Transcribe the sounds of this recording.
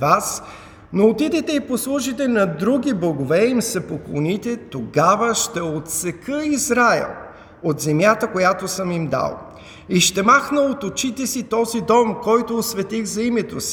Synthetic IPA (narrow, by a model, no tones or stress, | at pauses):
vas | noːt̪id̪ɛt̪ɛiposlˠuʒit̪ɛnɐd̪ɾuɡʲiblˠɐɡovɛimsɛpoklˠonit̪ɛt̪oɡavəʃt̪ɛot̪sɛkəizɾaɛ̰lˠ | ot̪zɛmjat̪əkojat̪osəmimd̪a̰lˠ | iʃt̪ɛmaxnəot̪ot͡ʃit̪ɛsit̪ɔzid̪ɔmkɔjt̪oːsvɛt̪iɣzɐimɛt̪osi̥